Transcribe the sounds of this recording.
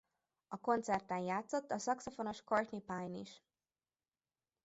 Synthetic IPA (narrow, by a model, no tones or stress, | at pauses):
ɒko̞nt̪sɛrt̪ɛnjaːt̪so̞t̪ːɒsɒkso̞fono̞ʃkort̪nipajniʃ